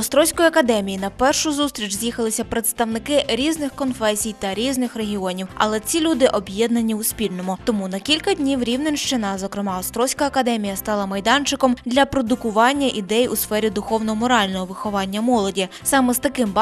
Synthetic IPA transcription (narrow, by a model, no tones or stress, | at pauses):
ɔst̪ɾɔwsʲkɔjiɐkɐd̪ɛmʲijinɐpɛrʃʊzust̪ɾʲit͡ʃzʲjixɐlˠɪsʲɐpɾet̪st̪ɐwnɪkɪɾʲiznɪxkɔnfɛsʲijt̪ɐɾʲiznɪxɾeɦʲiɔnʲiwɐ̰lˠɛt͡sʲilʲud̪ɪʔɔbʲjɛd̪nɐnʲːiʊspʲilʲnɔmʊt̪ɔmunɐkʲilʲkɐd̪ʲnʲiwɾʲiwnenʲʃt͡ʃɪnɐzɔkɾɪmɑɔst̪ɾɔwsʲkɐɐkɐd̪ɛmʲijɐst̪ɑlˠɐmɐjd̪ɑnt͡ʃɪkɔmd̪lʲɐpɾɔd̪ʊkʊʋɑnʲːɐʔid̪ɛjusfɛɾʲid̪ʊxɔwnɔmɔɾɑlʲnɔɦɔʋɪxɔʋɑnʲːɐmɔlˠɔdʲisɑmɛzt̪ɐkɪmb